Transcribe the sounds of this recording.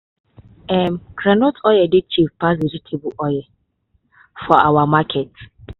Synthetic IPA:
ɛm̩kɾanotɔjɛdɪt͡ʃivpas̬id͡ʒitʰebuʔɔjɛ | fɔawamakʰɛt

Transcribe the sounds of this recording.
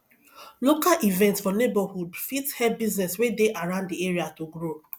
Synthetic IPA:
lokalʔivɛ̃ntsfɔnebahudfithɛbiznɛswedeʔaɹãʊ̃ndieɹiatoɡɹo

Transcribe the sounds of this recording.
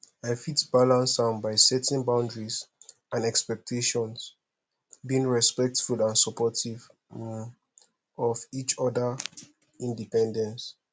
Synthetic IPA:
aɪfitbalãnsãmbaɪsɛtɛ̃nbãʊ̃ndɹis | ãnɛkspɛk̚tʰeʃɔ̃ns | biĩŋɹɛspɛk̚tfulãnsɔpɔtiv | m | ɔvit͡ʃɔdə | ĩndipɛ̃ndɛ̃ns

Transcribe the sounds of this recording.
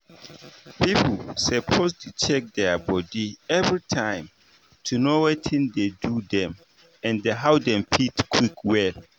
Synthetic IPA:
pʰipl̩səpʰostʰut͡ʃʰɛk̚dɛbɔdiɛvɹitʰãɪ̃m | tʰunowɛtʰĩndedudɛ̃m | ɛ̃ndeɦaʊdɛ̃mpʰitkʰwikwɛl

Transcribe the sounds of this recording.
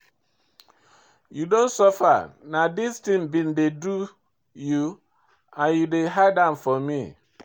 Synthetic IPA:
judõnsɔfa̰nadistĩŋbĩndedu | ju | ãnjudeɦadãmfɔmḭ

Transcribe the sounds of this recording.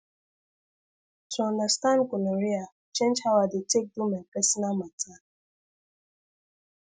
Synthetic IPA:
sɔnastankʊnaɾia | t͡ʃent͡ʃhawadɪt͡ʃek̚dumepesinamata

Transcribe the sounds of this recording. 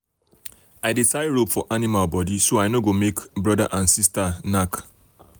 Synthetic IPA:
aɪdetaɪɹopfɔʔanimalbɔdisoaɪnoɡomekbɹɔda̰ʔãnsistanak

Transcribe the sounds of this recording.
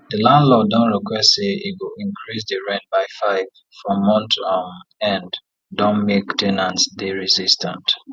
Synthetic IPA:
dəlãndlɔdɔ̃nɹɛkwɛsseiwilĩŋkʰɹis̬dəɹɛ̃n̚baɪfaɪv̥ | fɹɔ̃mɔ̃ntʰɔmɛ̃n | dɔ̃nmektʰɛnãntsdeɹizistã̰nt

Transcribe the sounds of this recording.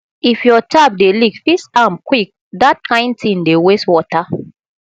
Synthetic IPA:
ifjɔtʰap̚delikfisãmkwik̚ | dat̚kʰãɪ̃ndtĩndeweswɔta

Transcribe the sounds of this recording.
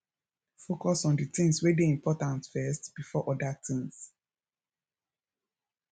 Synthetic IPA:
fokɔsɔ̃nditĩŋswedeĩmpʰɔtãntfɛstb̥ifɔʔɔdatʰĩŋs

